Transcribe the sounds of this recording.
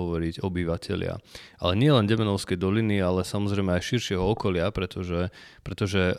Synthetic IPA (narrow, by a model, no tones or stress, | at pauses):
ɔʋɔɾiɟɔbiʋacʰɛ̰lɪa̰ʔalɛɲɪɛlɛnɟɛmɛnɔʊskɛjd̪ɔlinialɛsamɔzɾɛjmɛajʃiɾʃɪɛɦɔɔkɔlɪapɾɛt̪ɔʒɛpɾɛt̪ɔʒɛ